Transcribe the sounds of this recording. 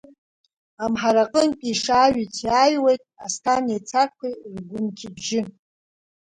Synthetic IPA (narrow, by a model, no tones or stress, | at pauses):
amħaɾaqʼənpʼiʂaɥitʰjaːjwe̞jtʼastʰanet͡sʰakʷʰirɡʷʊnkʲʰibʒɪ